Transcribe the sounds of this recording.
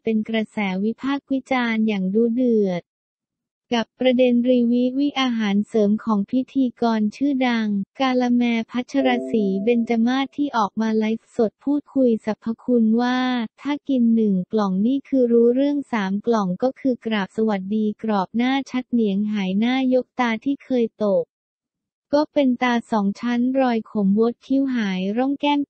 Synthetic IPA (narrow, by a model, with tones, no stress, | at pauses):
pe˧nkɾa˧sɛː˩˦wi˦˥pʰaː˥˩k̚wi˦˥t͡ɕaː˧njaː˨˩ŋduː˧dɯ˨˩ət̪̚ | ka˨˩pːɾa˧de˧nɾiː˧wi˦˥wi˦˥ʔaː˧ɦaː˩˦nsɤː˩˦mkʰɔː˩˦ŋpʰi˦˥t̪ʰiː˧kɔː˧nt͡ɕʰɯː˥˩da˧ŋkaː˧la˧mɛː˧pʰa˦˥t̪̚t͡ɕʰa˧ɾaː˧siː˩˦be˧nt͡ɕa˧maː˥˩t̪ʰːiː˥˩ʔɔː˨˩k̚maː˧la˦˥jso˨˩t̪̚pʰuː˥˩t̪̚kʰu˧jsa˨˦pʰːa˧kʰu˧nwaː˥˩t̪ʰaː˥˩ki˧nːɯ˨˩ŋklɔ˨˩ŋniː˥˩kʰɯː˧ɾuː˦˥ɾɯ˥˩əŋsaː˩˦mklɔ˨˩ŋkɔː˥˩kʰɯː˧kɾaː˨˩p̚sa˧wa˨˩t̪̚diː˧kɾɔː˨˩p̚naː˥˩t͡ɕʰa˦˥t̪̚ni˩˦əŋɦaː˩˦jnaː˥˩jo˦˥k̚t̪aː˧t̪ʰiː˥˩kʰɤː˧jt̪o˨˩k̚ | kɔː˥˩pe˧nt̪aː˧sɔː˩˦ŋt͡ɕʰa˦˥nɾɔː˧jkʰo˩˦mwo˦˥t̪̚kʰi˦˥wɦaː˩˦jɾɔ˥˩ŋkɛː˥˩ŋ